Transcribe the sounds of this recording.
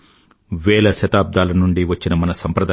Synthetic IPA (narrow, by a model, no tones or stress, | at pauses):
ʋɛːɭɐʃɐt̪aːb̚d̪ʱaːlɐnuɳɖiʋɐt͡ʃːinɐmɐnɐsɐmpɾɐd̪a